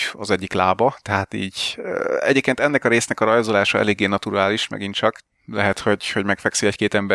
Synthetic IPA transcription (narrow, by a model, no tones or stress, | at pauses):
ɒzɛɟːiklaːbɒt̪ɛɦaːt̪ḭːɟø̰ɛ̰ɟeːp̚keːnt̪ɛnːɛkɒɾeːsnɛkɒɾɒjzolaːʃɒɛ̰leːɡːeːnɒt̪uɾaːliʃmɛ̰ɡint̪t͡ʃɒk | lɛɦɛt̪ho̞ɟho̞ɟmɛkfɛksiɛckeːt̪ɛmbɛ